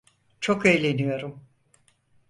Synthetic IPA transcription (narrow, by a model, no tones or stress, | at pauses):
t͡ʃʰo̞kejlʲe̞nijo̞ɾum